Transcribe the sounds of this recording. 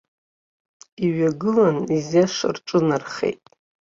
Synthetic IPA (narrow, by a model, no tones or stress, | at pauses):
iɥaɡɨlanizaʂa̰rʈ͡ʂʼɨnarχḛjtʼ